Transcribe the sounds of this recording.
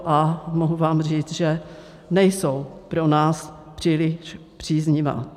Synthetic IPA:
ʔamoɦuvaːmr̝iːt͡sʒɛ | nɛjsowpɾonaːs | pr̝̥iːlɪʃ | pr̝̥iːzɲɪva̰ː

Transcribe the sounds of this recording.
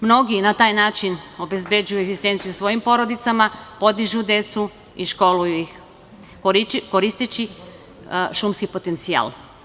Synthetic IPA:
mno̞ɡinat̪aːjnaːt͡ʃino̞be̞zbe̞d͡ʒujueɡzist̪ent̪sijusʋo̞jimpo̞ɾo̞d̪it̪samapo̞d̪iʒud̪e̞t̪su | iʃko̞lujui | koɾist̪et͡ɕi | ʃumskipo̞t̪e̞nt̪sia̰l

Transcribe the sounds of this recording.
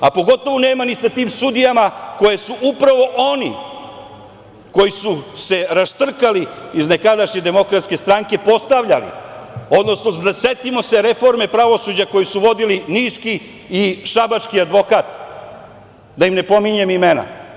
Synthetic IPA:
apo̞ɡo̞t̪o̞ʋone̞ːmanisat̪iːmsud̪ijamako̞jesuʔupɾaʋo̞ʔonḭ | ko̞jisuse̞ɾast̪r̩kaliizne̞kad̪aʃɲe̞d̪e̞mo̞kɾat̪ske̞st̪ɾaŋke̞po̞st̪aʋʎalḭo̞d̪no̞snod̪ase̞t̪imo̞se̞ɾe̞fo̞ɾme̞pɾaʋo̞sud͡ʑako̞jisuʋo̞d̪iliniːʃkiː | ʃabat͡ʃkiad̪ʋo̞kaːt̪ | d̪ajimne̞po̞miɲe̞mimena̰

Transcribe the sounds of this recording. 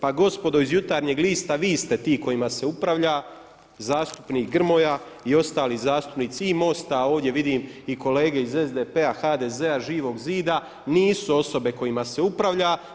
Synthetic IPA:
paɡo̞spo̞d̪o̞izjut̪aːɾɲeːɡliːst̪aʋiːst̪e̞t̪iːko̞jimase̞upɾaʋʎa | zaːst̪u̥pniːkɡr̩mo̞ja | io̞st̪aːlizaːst̪u̥pniːt̪siimo̞st̪ao̞ːʋd̪je̞ʋid̪iːmiko̞le̞ːɡe̞ize̞zd̪epeaxad̪e̞ze̞aʒiːʋo̞ɡziːd̪a | niːsuo̞so̞be̞ko̞jimase̞upɾaʋʎa

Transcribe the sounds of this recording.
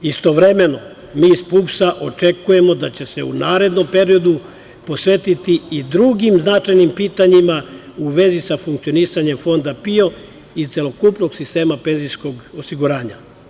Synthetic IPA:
ist̪o̞ʋɾe̞me̞no̞ | miːispupsaʔo̞t͡ʃe̞kuje̞mo̞d̪at͡ɕe̞se̞unaːɾe̞d̪no̞mpe̞ɾio̞d̪u | po̞sʋe̞t̪it̪iid̪ɾuɡimznat͡ʃajnimpiːt̪aɲimauʋe̞zisafuŋkt̪io̞nisaɲe̞mfo̞nd̪apio̞ | it̪se̞lo̞kupno̞ɡ̥sist̪e̞ːmape̞ːnzisko̞ɡosiɡuɾaːɲa̰

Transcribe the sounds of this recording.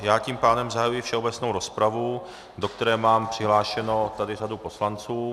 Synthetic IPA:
jaːciːmpaːdɛmzaɦajujɪfʃɛobɛt͡snowɾo̞spɾavu | do̞kt̪ɛɾɛːmaːmpr̥ɪɦlaːʃɛno̞t̪adɪradupo̞slant͡suː

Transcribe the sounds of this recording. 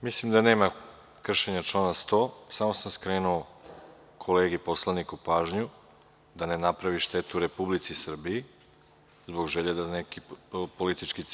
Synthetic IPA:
mislimd̪aneːma | kr̩ʃe̞ɲat͡ʃlˠanast̪o̞ːsamo̞samskɾeːnuo | kʰoleːɡipo̞slˠanikupaːʒɲu | d̪ane̞napɾaʋiʃt̪e̞t̪uɾe̞publit̪sisr̩bii | zbo̞ɡʒeʎed̪anekipolit̪it͡ʃkit̪

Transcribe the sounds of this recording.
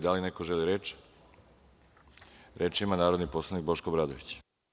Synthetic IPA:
d̪alinekoʒeliɾeːt͡ʃ | ɾʔeːt͡ʃimanaːɾod̪niposlaʋnik̚bo̞ʃkobɾad̪oʋit͡ɕ

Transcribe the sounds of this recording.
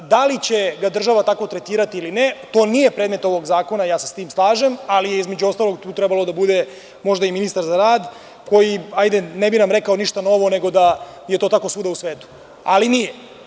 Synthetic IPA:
d̪alit͡ɕe̞ɡad̪r̩ʒaʋat̪ako̞t̪ɾet̪iːɾat̪iilinet̪o̞ːnije̞pɾed̪me̞t̪o̞ʋo̞ɡzaːko̞najaːsest̪iːmslˠaːʒe̞malijeizme̞d͡ʑuo̞st̪alˠoɡ̚t̪uːt̪ɾɛbalˠo̞d̪abud̪e̞ | mo̞ʒd̪aiminist̪aɾzaɾaːd̪ | ko̞jiajd̪e̞nebinamɾekao̞niʃt̪ano̞ʋo̞ne̞ɡo̞d̪aje̞t̪o̞t̪ako̞suːd̪ausʋeːt̪u̥ | a̰linije

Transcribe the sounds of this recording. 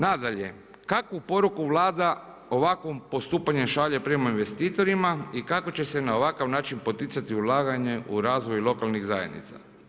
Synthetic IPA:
nad̪aʎe̞̰ | kakʋupo̞ɾukuʋlˠaːd̪a | o̞ʋakʋompo̞st̪uːpaɲe̞mʃaʎe̞pɾe̞mainʋe̞st̪iːt̪o̞ɾimaikako̞t͡ɕe̞se̞nao̞ʋakaʋnaːt͡ʃinpo̞t̪it̪sat̪iulˠaːɡaɲe̞ʔuɾaːzʋo̞jlˠo̞kalˠniɣzaje̞d̪nḭt̪sa̰

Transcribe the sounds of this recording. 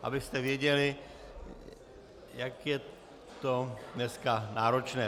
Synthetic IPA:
ʔa̰bɪst̪ɛvjɛɟɛlɪ | jakjɛ | t̪odnɛskanaːɾot͡ʃnɛː

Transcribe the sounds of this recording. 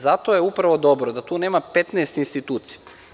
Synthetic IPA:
zat̪ojeupɾaʋo̞d̪o̞bɾod̪at̪uːneːmapet̪nɛːst̪inst̪it̪uːt̪sija

